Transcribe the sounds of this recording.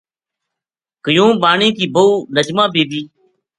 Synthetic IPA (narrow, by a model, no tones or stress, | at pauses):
kəjũːɓaːɳĩːkiːbəuːnəd͡ʒmãːbeːbiː